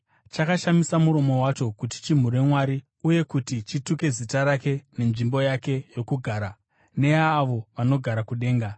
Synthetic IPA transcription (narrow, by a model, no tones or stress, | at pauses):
t͡ʃakaʃamisamuɾo̞mo̞wat͡ʃo̞kuti̥t͡ʃim̤uɾe̞mwaɾi | uje̞kutit͡ʃituke̞zitaɾake̞ne̞nʐimbo̞jake̞jo̞kuɡʱaːɾa | ne̞jaːʋo̞ʋano̞ɡʱaɾakuɗe̞ːŋɡa